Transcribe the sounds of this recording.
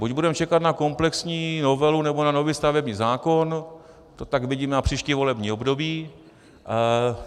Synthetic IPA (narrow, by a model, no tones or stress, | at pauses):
buɟbudɛmt͡ʃɛkat̪nakomplɛksɲiːno̞vɛlunɛbo̞nano̞viːst̪avɛbɲiːzaːko̞n | t̪o̞t̪akvɪɟiːmɛnapr̥iːʃciːvo̞lɛbɲiːo̞bdo̞biː